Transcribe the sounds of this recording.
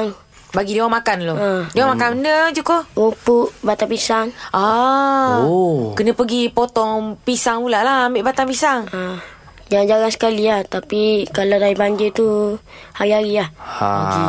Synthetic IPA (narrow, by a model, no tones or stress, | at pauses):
ŋ | baɡidewaŋmakanloədewamakanəndəd͡ʒukoupuʔbat̪apisaŋʔa | kənə̃pəɡipot̪ɔŋpisaŋulaʔlaambeʔbat̪apisaŋə | d͡ʒaŋd͡ʒaŋaŋsə̥kaliaht̪apikaladaibaɲd͡ʒit̪u | haɾiaɾiahi